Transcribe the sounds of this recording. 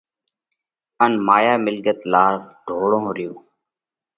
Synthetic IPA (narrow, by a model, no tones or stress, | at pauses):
ənmaːjaːmɪlɡət̪laːɾɖʱoːɽõːɾɪjoː